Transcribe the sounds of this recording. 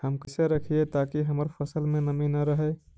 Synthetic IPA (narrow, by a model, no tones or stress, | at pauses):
həmkiseɾəkʰijet̪akiɦəməɾpʰəsəlmenəminəɾəɦɛ